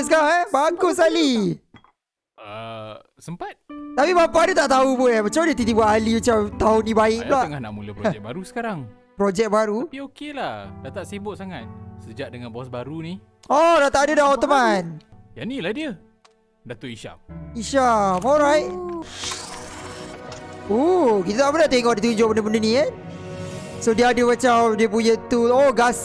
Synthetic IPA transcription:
səkaɾaŋɛbaŋkʊs̬kali | ə | səmpat̪̚t̪apibapaʔdət̪aʔt̪aupuamət͡ʃamdiət̪it̪̬ibuaʔɦaliət͡ʃat̪aʊnːĩbaɪʔ̚laəŋahnaʔmuləpɾɛk̚baɾusə̥kaɾaŋ | pɾod͡ʒɛk̚baɾuaiokelahdat̪aʔsebʊʔ̚saŋat̪̚səd͡ʒaʔdəŋanbɔsbaɾuni | ɔdat̪aʔadədahɔt̪əmanjanilahdiə | dat̪oʔiʃa̰miʃamɔlɾajt̚ | okit̪at̪aʔbənət̪eŋɔʔdət̪uɲd͡ʒʊʔbəndəbəndənĩɛn | sodiəadəmat͡ʃawdiəpuɲət̪uoɡas

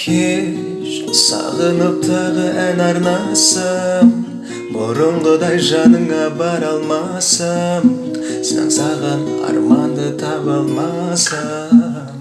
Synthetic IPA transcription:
kʲʰe | ʃ | sɑ̰ʁənop̚t̪ʰɑʁəʔænɑɾnɑsəm | bʊɾʊɴʁəd̪ɑjʒɑnəɴɑbɑɾɑlˠmɑ | səmsɑ̰ɴsɑʁɑnɑ̰ɾmɑnd̪ət̪ʰɑpɑlˠmɑ | sə

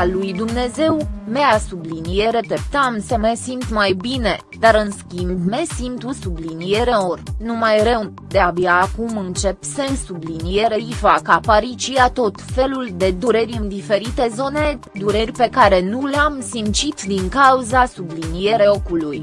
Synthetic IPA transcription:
lujd̪umne̞ze̞wme̞asublinije̞ɾe̞t̪ep̚t̪amsemesimt̪majbine̞ | d̪aɾɨnskʲimbme̞simt̪usublinije̞ɾeo̞rnumajɾe̞w | d̪e̞abiaːkumɨnt͡ʃe̞pse̞nsublinije̞ɾe̞ifakapaɾit͡ʃiat̪o̞t̪fe̞luld̪e̞d̪uɾeɾʲɨnd̪ife̞ɾit̪e̞zo̞ne̞ | d̪uɾerʲpe̞kaɾe̞nuleamsimt͡ʃit̪d̪iŋkauzasublinije̞ɾe̞okuluj

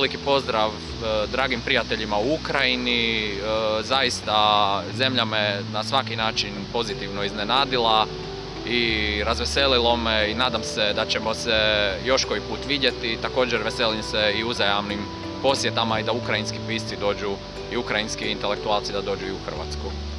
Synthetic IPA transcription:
ʋelikipo̞zd̪ɾaʋ | d̪ɾaːɡimpɾijat̪e̞ʎimauukɾajini | zajist̪aze̞mʎamenasʋakinaːt͡ʃinpo̞zit̪iʋno̞iznenaːd̪ilˠa | iɾazʋe̞se̞lilˠomeinaːd̪amsed̪at͡ɕemo̞sejo̞ʃko̞ipuːt̪ʋid̪je̞t̪it̪ako̞ːd͡ʒeɾʋe̞selimseiuzajamnim | po̞sjet̪amaid̪aukɾajinskipiːst̪id̪o̞ːd͡ʒu | iukɾajinskiint̪e̞le̞k̚t̪uaːlˠt̪sid̪ad̪o̞ːd͡ʒuiuxr̩ʋa̰t̪sku

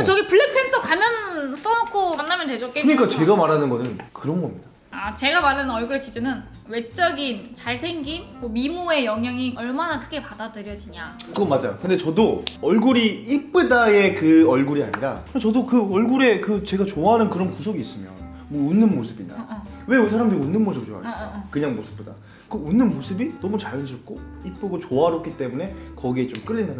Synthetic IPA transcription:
at͡ɕʌɡipɯɭːek̚s͈ens͈ʰʌkamjʌns͈ʌnʌkʰomanːamjʌntwe̞d͡ʑok͈ekɯɲik͈at͡ɕe̞ɡamaɾanɯnɡʌnɯnkɯɾʌnɡʌmɲid̥a | at͡ɕe̞ɡamaɾanɯnʌɭɡuɾekid͡ʑɯnɯn | we̞t͡ɕ͈ʌɡint͡ɕaɭsʰeŋɡimmomimue̞jʌŋjaŋiʔʌɭmanakʰɯɡe̞padadɯɾjʌd͡ʑiɲaɡomad͡ʑa̰jkɯndet͡ɕʌdoʌɭɡuɾiip͈ɯdaje̞kɯʌɭɡuɾia̰ɲiɾa̰kɯnt͡ɕʌdokɯʌɭɡuɾe̞kɯt͡ɕe̞ɡat͡ɕoaɦanɯnkɯɾʌnkusʰoɡiːs͈ɯmjʌ̰n | mʌunːɯnmosʰɯbiɲa̰ | we̞usʰaɾamdɯɾiunːɯnmos̬ʰɯ̥p̚t͡ɕoa̰ɾkɯɲaŋmosʰɯ̥p̚p͈od̥a̰ | kɯunːɯnmosʰɯbinʌmut͡ɕaɾjɯnd͡ʑiʌk̚k͈oip͈ɯɡot͡ɕoaɦaɾokʰit͈e̞mune̞kʌɡiet͡ɕomk͈ɯʎːindan

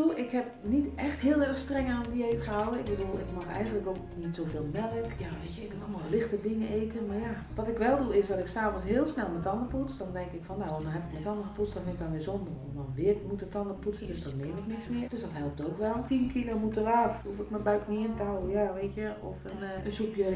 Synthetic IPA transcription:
uʔɪkhɛp̚nitɛxthɪːlˠɛrxstrɛŋaːnətdiejtxəɦawəɪɡ̚bədulˠɪ̰kmaxɛ̰jɣəndləkoknitsoveːlˠmɛləkjaʋeːtjəɪkmunɑlˠmalˠlɪxtədɪŋəʔeːtənmarja | ʋɔtɪkʋɛlˠduɪsdɔtɪksaːfənsɦɪːlˠsnɛlˠmətɑndəput͡sdɔndɛŋkɪkfɔnːadɔnɦɛpɪkmətɑndəxəputt͡ssdɔnbɪnɪkdɔnʋɪːzɔndərɔmdɔnʋɪəmutətɑndəputt͡sədøsdɔnːeːmɪknɪksmɪərd̥øsdɔtɦɛlˠp̚toːkʋɛlˠtinkʰilomutəraːfufɪkməbœɥtmiɪntəɦawəjaʋeːtjəɔ̰fənənsupjə

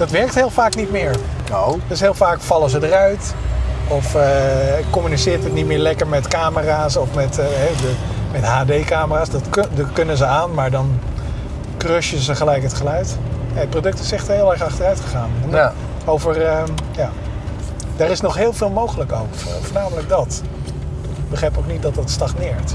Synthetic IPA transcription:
d̥ɑtʋɛɹk̚tɦɪːlˠfaːknitmɪːɹ | dɪsɦɪːlˠfaːkfɑlˠəzədərœɥt | ɔf | kɔmynisɪːɹtɦətnitmɪːɹlɛkəɹmɛtkaːməraːsɔfmɛtɦɛdə | mɛtɦaːdejkaːməraːsdɑtkdkɵnəzəaːnmaːɹdɑn | krøʃəzəχəlɛjkɦətχəlœɥtːət̚prodɵk̚tɪsɛχtəɦɪːlˠɛɹχɑχtərœɥtχəχaːn | owvərəjaː | daːɾɪsnɔχɦɪːlˠvɪːlˠmowχələkowk | fəːɹnaːmələɡ̚dɑt | ɪɡ̚bəχrɛjpowk̚nit̚dɑtdɑtstɑχnɪːɹt

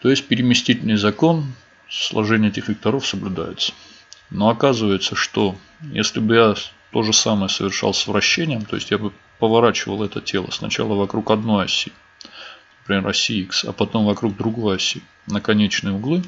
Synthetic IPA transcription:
t̪o̞ɪsʲt̚ʲpʲɪɾʲɪmʲɪsʲtʲitʲɪlʲnɨjzɐko̞n | slˠɐ̰ʐɛnʲɪjəetʲɪxvʲɪk̚t̪ɐɾo̞fsəblʲʊd̪a̰jɪt̪sə̥ | no̞ɐkazɨvəjɪt̪səʂt̪o | jḛsʲlʲɪbɨjat̪o̞ʐɨsaməjəsəvʲɪrʂɑ̰lˠsʲvɾɐɕːenʲɪjəmt̪o̞jɪsʲtʲjabɨ | pəvɐɾat͡ɕɪvəlˠɛt̪ətʲe̞lˠə̰snɐ̰t͡ɕa̰lˠəvɐkɾukɐd̪no̞jɐsʲi | nəpɾʲɪmʲe̞ɾɐsʲiiksɐ̰pɐt̪o̞mvɐkɾuɡ̚d̪ɾʊɡo̞jɐsʲi | nəkɐnʲet͡ɕnɨjəʊɡlˠɨ

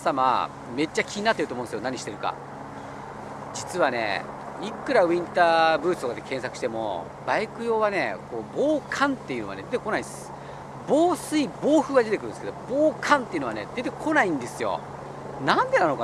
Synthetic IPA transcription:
sama̰ | me̞t͡ɕːakʲiɲ̟inat̪ːeɯ̟t̪omõsɨjo̞naɲ̟iɕi̥t̪e̞ɾɯ̟ka̰ | d͡ʑit͡sɨβane̞̰ | ikːɯ̟ɾaĩnt̪aːbɯ̟ːt͡sɨ̥t̪okad̪ekẽ̞ɰ̃s̬akɯ̟ɕi̥t̪e̞mo̞̰ | baikɯ̟jo̞ːβane̞̰ko̞ːbo̞ːkʰãnt̪ːe̞jiɯ̟no̞a̰ne̞d̪e̞t̪ekonaiss | bo̞ːsɨibo̞ːɸɯ̟ɡad̪et̪ekɯɾɯ̟neskeoboːkʰãnt̪eiɯ̟noane̞d̪e̞t̪e̞kʰo̞naĩnd̪e̞sɨjo̞̰ | nãnd̪e̞nano̞ka

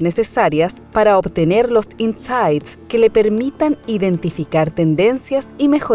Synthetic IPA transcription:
nesesaɾjas | paɾaobt̪eneɾlo̞sinsajt̪skelepeɾmit̪aniðe̞nt̪ifikaɾt̪end̪e̞nsjasime̞xo

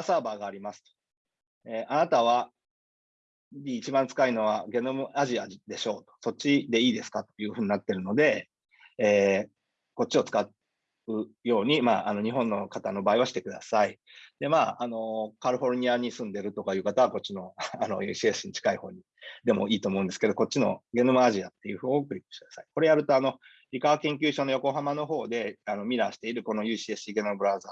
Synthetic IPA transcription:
saːbaːɡaːɾʲimasɨ̥t̪o̥ | eːʔanat̪aβ̞a | ɲʲiːt͡ɕibãnt͡sɨ̥kaino̞β̞aɡe̞no̞moaʑiad̪e̞ɕo̞ːt̪o̞̥so̞t͡ɕid̪e̞iːd̪e̞sɨ̥kat̪o̞̥jɯ̟ːhɯ̟ɲ̟inat̪ːe̞ɾɯ̟no̞d̪e̞ | eː | ko̞t̚t͡ɕːio̞t͡sɨ̥kat̪ | ɯ̟jo̞ːɲ̟ima̰ːano̞ɲ̟iɦõ̞nːo̞kat̪ano̞baːiβaɕi̥t̪e̞kɯd̪asai | d̪̥e̞maːano̞kaɾɯ̟ɸo̞ɾɯɲ̟iaɲ̟isɨ̃nd̪e̞ɾɯ̟t̪o̞kajɯ̟ːkat̪aβ̞ako̞t͡ɕːino̞ano̞jɯ̟ːɕiesɨ̥ɕiɲ̟it͡ɕi̥kaiho̞̰ːɲ̟i | d̪e̞mo̞̰iːt̪oːmoɯ̃nd̪esɨ̥ke̞d̪o̞ko̞t͡ɕːino̞̰ɡe̞nɯ̟maːʑiat̪ːe̞jɯ̟ːɸoːokɯ̟ɾʲipːɯ̥ɕi̥kɯ̥d̪ḁsai̥ko̞ɾe̞jaɾɯ̟t̪o̞ano̞ | ɾʲikaβakẽ̞ŋkʲɨːɕo̞ːnojo̞ko̞ɦamano̞ɦo̞ːd̪e̞ano̞mʲiɾaɕi̥t̪e̞iɾɯ̟ko̞no̞jɯ̟ːɕiesiɡenɯbɯ̟ɾãza

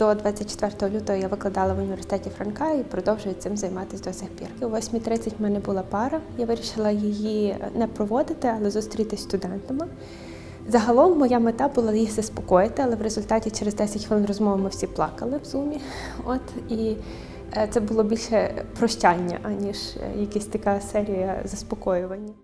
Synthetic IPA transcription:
d̪̥ɔd̪ʋɑt͡sʲːɐt̚ʲt͡ʃːe̥t̪ʋɛrt̪ɔɦɔlʲut̪ɔɦɔjaʋɪklˠɐd̪ɑlˠɐʋʊnʲiʋʲersɪ̥t̪ɛtʲifɾɐnkɑjipɾɔd̪ɔwʒʊjʊsɪmzɐjmɑt̪ɪsʲd̪ɔsʲɪxpʲḭrkɪʋɔsʲmʲit̪ɾɪt͡sʲɐtʲmɛnɛbʊlˠɑpɑɾɐjaʋɪɾʲiʃɪlˠɐjijinɛpɾɔʋɔd̪ɪt̪ɪɐlˠɛzust̪ɾʲit̪ɪsʲst̪ʊd̪ɛnt̪ɐmɪ | zɐɦɐlˠɔmːɔjamɪt̪ɑbʊlˠɑjixzɐspɔkɔjɪt̪ɪɐlˠɛʋɾezʊlʲt̪ɑtʲit͡ʃɛɾzd̪ɛsʲɐtʲʋɔlˠɪnrɔzmɔʋɐmɪwsʲiplˠɑkɐlˠɪwzumʲi | ɔt̪i | t̪sɛbʊlˠɔbʲilʲʃɛpɾɔʃt͡ʃʲɑnʲːɐ̰ʔɐnʲiʒ̰jɐkɪsʲt̪ɐkɑsɛɾʲijɐzɐspɔkɔjʊʋɐnʲːɐ

